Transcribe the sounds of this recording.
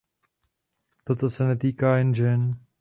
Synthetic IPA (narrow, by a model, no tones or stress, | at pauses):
t̪ot̪osɛnɛt̪iːkaːɪnd͡ʒɛn